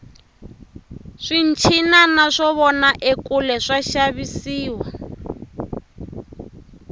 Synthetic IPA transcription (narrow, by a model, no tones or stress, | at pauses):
ʂin̩t͡ʃʰinanaʂɔβɔnaʔekulɛʂaʃaβisiːwa